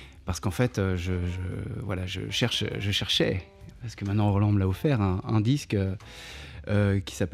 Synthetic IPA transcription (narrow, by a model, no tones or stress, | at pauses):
paʁsə̥kɑ̃fɛt̪øʒəʒə̰vwa̰laʒə̰ʃɛʁʃʒəʃɛʁʃɛ̰ | paʁsə̥kəmɛ̃t̪nɑ̃ʁɔlɑ̃məlaɔfɛʁɛ̃ɛ̃d̪iskø | økʲi̥sap